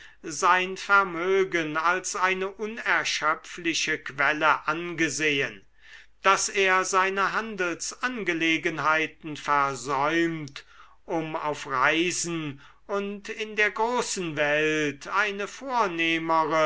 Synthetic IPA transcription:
zaɪnfɛɐmøːɡənalsʔaɪnəʔʊnɛɐʃœpflɪʃəkv̥ɛləʔanɡəzeːən | d̥aseːɐzaɪnəɦandl̩sʔanɡəleːɡənɦaɪtn̩fɛɐzɔʏmt | ʔʊma̰ʊfʁaɪzn̩ | ʊntɪndeːɐɡʁoːsn̩vɛltʰaɪnəfoːɐneːməʁə

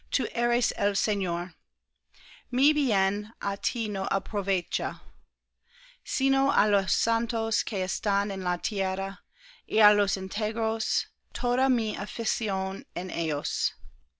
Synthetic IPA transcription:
t̪ʰuʔɛɾeselseɲoɾ | mibiɛnʔatʰinoʔa̰pʰɾovet͡ʃa | sinoʔalosːantoskʰeɛstanenlatʰjɛɾa | ʔealosɪntʰeɡɾos | tʰoɾamiafisionenejos

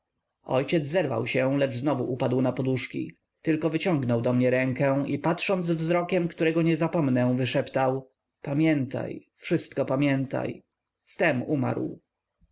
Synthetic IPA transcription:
ɔ̰jt͡ɕɛd̪zzɛɾva̰wɕɛ̃lɛʐznɔvuʔupad̪wnapɔd̪uʂkʲḭ | t̪ɘlkɔvɘt͡ɕɔ̃ŋɡnɔwd̪ɔmɲɛɾɛŋkɛipatʂɔnd̪zvzɾɔkʲɛmkt̪uɾɛɡɔɲɛzapɔmnɛ̃vɘʂɛpt̪aw | pamʲjɛnt̪a̰j | fʂɘst̪kɔpamʲjɛnt̪a̰j | st̪ɛmuma̰ɾw

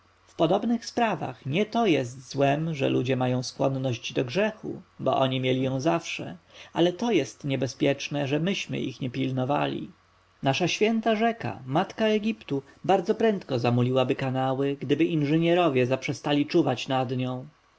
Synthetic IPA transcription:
fpɔd̪ɔbnɘxspɾava̰xɲɛt̪ɔjɛst̪zwɛmʐɛ̰lud͡ʑɛmajɔ̃w̃skwɔnːɔʑd͡ʑd̪ɔɡʐɛxṵbɔ̰ʔɔɲimʲjɛlʲijɔ̃w̃zafʂɛ̰alɛt̪ɔjɛst̪ɲɛbɛspʲjɛt͡ʂnɛʐɛmɘɕmɘ̰ʔḭxɲɛpʲilnɔva̰lʲḭ | naʂaɕfʲjɛnt̪aʐɛka̰mat̪kaɛɡʲipt̪ubaɾd̪zɔpɾɛnt̪kɔzamulʲiwabɘkanawɘɡd̪ɘbɘʔinʐɘɲɛɾɔvʲjɛzapʂɛst̪alʲit͡ʂuvat͡ɕnad̪ɲɔ̃w̃

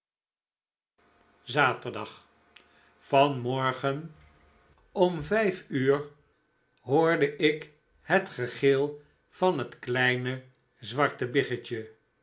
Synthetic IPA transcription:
zaːtəɹdɑχ | fɑnmɔɹχən | ɔmvɛjfyːɹ | ɦoːɹdəʔɪk | ɦətχəχɪlˠ | v̥ɑnɦətklɛjnə | zʋɑɹtəbɪχət͡ʃə

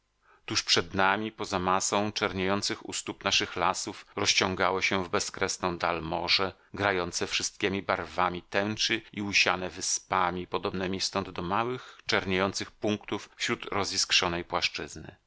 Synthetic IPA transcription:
t̪uʂpʂɛd̪namʲipɔzamasɔ̃w̃t͡ʂɛɾɲejɔnt̪sɘxṵst̪upnaʂɘxlasufɾɔst͡ɕɔŋɡawɔɕɛvbɛskɾɛsnɔ̃w̃d̪almɔʐɛ | ɡɾajɔnt̪sɛfʂɘst̪̚kʲemʲibaɾvamʲit̪ɛnt͡ʂɘiuɕa̰nɛvɘspamʲipɔd̪ɔbnɛmʲist̪ɔnd̪d̪ɔmawɘxt͡ʂɛɾɲejɔnt̪sɘxpuŋkt̪uffɕɾut̪ɾɔzʲiskʂɔnɛjpwaʂt͡ʂɘznɘ̰

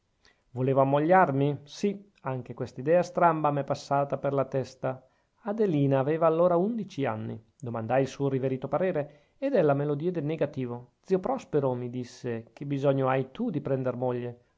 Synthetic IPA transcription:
voleːvoamːoʎːarmisi | aŋk̟ekwest̪aid̪ɛːast̪ɾambamɛpːasːaːt̪aperlat̪ɛst̪a | ad̪eliːnaːveːvaːlːoːɾaund̪it͡ʃia̰nːḭ | d̪omand̪ajilsuːoɾiveɾiːt̪opaɾeːɾeː | d̪ɛlamelod̪iːed̪elnːeɡat̪iːvod̪ziːopɾɔspeɾomid̪isːek̟ebizɔɲːoajt̪ud̪ipɾɛnd̪ermɔʎːe

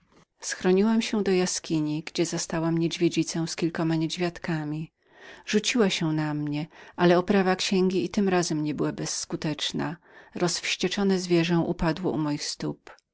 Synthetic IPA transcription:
sxɾɔɲiwamɕɛd̪ɔjaskʲiɲiɡd͡ʑɛzast̪awamɲed͡ʑvʲjed͡ʑit̪sɛ̃w̃skʲilkɔmaɲed͡ʑvʲjat̪kamʲi | ʐut͡ɕiwaɕɛnamɲɛʔalɛɔpɾavakɕɛŋɡʲiːt̪ɘmɾazɛmɲɛbɘwabɛsːkut̪ɛt͡ʂna̰ | ɾɔsfɕt͡ɕɛt͡ʂɔnɛzvʲjɛʐɛ̃w̃ʔṵpad̪wɔʔumɔjixst̪up

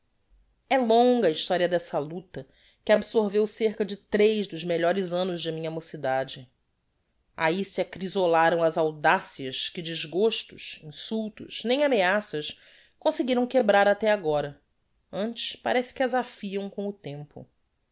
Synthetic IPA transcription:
ɛlõŋɡɐiʃt̪ɔɾiɐd̪ɛsɐlut̪ɐ | kɪabsoɾvewseɾkɐd͡ʒɪt̪ɾejʒd̪ʊzmeʎɔɾɪzɐ̃nʊzd͡ʒɪmĩɲɐamosid̪ad͡ʒɪ | a̰isɪakɾizolaɾɐ̃w̃ɐzawd̪asiɐʃkɪd͡ʒɪʒɡoʃt̪ʊʃĩsuwt̪ʊ̰ʃnẽj̃ameasɐʃ | kõsɪɡiɾɐ̃w̃kebɾaɾat̪ɛaɡɔɾɐ | ɐ̃nt͡ʃɪ̥ʃpaɾɛsɪ̥kɪɐzafiɐ̃w̃kõw̃ʊt̪ẽmpʊ̰

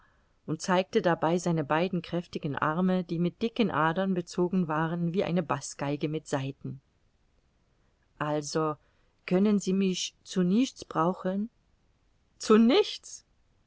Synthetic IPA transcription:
ʔʊnt̚t͡saɪk̚tədabaɪzaɪnəbaɪdn̩kʁ̥ɛftɪɡn̩ʔa̰ɐməd̥iːmɪt̚d̥ɪkənʔaːdɐnbət͡soːɡŋ̩vaːʁənviːʔa̰ɪnəbasɡ̥aɪɡəmɪtz̥aɪtn̩ | ʔalzo | kʰœnənziːmɪçt͡sunɪçt͡sb̥ʁaʊxən | t͡sunɪçt͡s

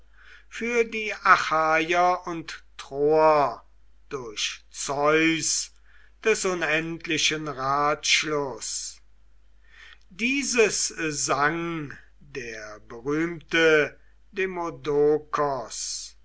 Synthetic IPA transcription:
fyːɐdiːʔaxaːjɐʊnttʁoɐ | d̥ʊɐʃt͡sɔʏs | d̥ɛsʊnɛntlɪʃənʁaːtʃlʊs | diːzəszaŋ | deːɐbəʁyːmtə | demodokʰɔs

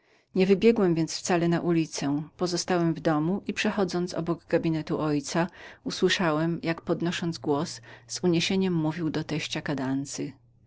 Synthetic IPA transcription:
ɲɛvɘbʲjɛɡwɛmvʲjɛnt̪sft̪salɛnaʔulʲit̪sɛpɔzɔst̪awɛmvd̪ɔmuʔipʂɛxɔd̪zɔnt̪sɔ̰bɔɡɡabʲinɛt̪uʔɔjt̪sauswɘʂawɛmjakpɔd̪nɔʂɔnd̪zɡwɔsz̥uɲeɕeɲɛmːuvʲiwd̪ɔt̪ɛɕt͡ɕakad̪ant̪sɘ

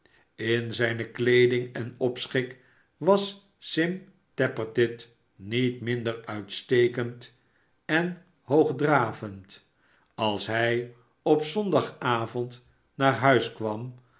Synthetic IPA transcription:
ɪnzɛjnəklejdɪŋɛnɔpsχɪk | ʋɑs | sɪm | tɛpəɹtɪt | nitmɪndəɹœɥtstejkənt | ɛn | ɦowχdraːvənt | ɑlˠsɦɛj | ɔpsɔndɑχaːvɔnt | naːɹɦœɥskʋɑm

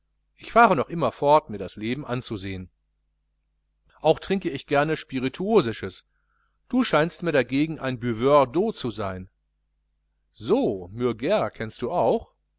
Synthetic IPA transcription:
ʔɪçfaːʁənɔχʔɪmɐfɔɐtmiːɐdasleːbm̩ʔant͡suzeːən | ʔaʊxtʁ̥ɪŋkəɪçɡ̥ɛɐnəʃpiʁitʰuoːzɪʃəs | d̥uːʃaɪnstmiːɐɾaɡeːɡŋ̩ʔa̰ɪnbyvœdoːt͡suzaɪn | zoːmyɐɡɛɐkʰɛnst̚d̥uːaʊx

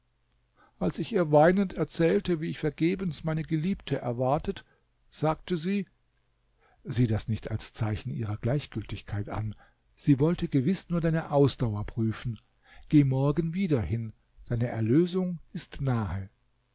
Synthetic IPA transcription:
ʔalsɪçʔiːɐvaɪnəntʰɛɐt͡sɛːltəviːɪçfɛɐɡeːbənsmaɪnəɡəliːp̚tʰəʔɛɐvaɐtʰət | z̥aːk̚təziː | ziːdasnɪçtalst͡saɪçn̩ʔḭːʁɐɡ̥laɪçɡ̥ʏltɪçkʰaɪtʔa̰n | z̥iːvɔltʰəɡəvɪsnuːɐdaɪnəʔaʊsd̥aʊɐpʁ̥yːfn̩ | ɡ̥eːmɔɐɡənviːdɐhɪn | d̥aɪnəʔɛɐløːzʊŋʔɪstnaːhə

